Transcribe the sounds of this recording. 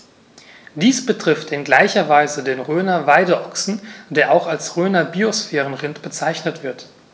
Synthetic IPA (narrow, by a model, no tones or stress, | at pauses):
d̥iːsb̥ətʁ̥ɪftʰɪnɡlaɪçɐvaɪzədeːnʁøːnɐvaɪdəʔɔksn̩deːɐʔaʊxalsʁøːnɐbiosfɛːʁənʁɪntb̥ət͡saɪçnətv̥ɪɐt